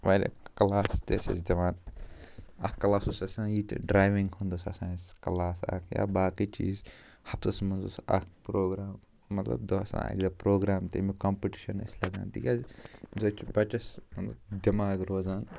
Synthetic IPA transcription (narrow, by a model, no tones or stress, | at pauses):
ʋaːlʲḛkɐlaːst̪esɐ̰sd̪ɐʋaːn | ɐkkːɐlaːsusɐsãːjiːt̪ɖɾaːjʋiŋɡhũnd̪osɐsãːskɐlaːsɐ̰kʰja̰ːbaːkit͡ʃḭːz | hɐpt̪ɐsmɐnzusɐ̰kpɾoːɡɾaːmː | ɐt̪lɐ̰bd̪oɐsã̰ːḛkd̪ɐpɾoːɡɾaːmt̪ḛmikɐmpiʈi̥ʃɐnḭslɐd̪a̰ːnd̪ḭkʲazzoːt͡ʃbɐt͡ʃɐsmɐt̪lɐ̰bd̪ɐmaːɡɾoːzaːn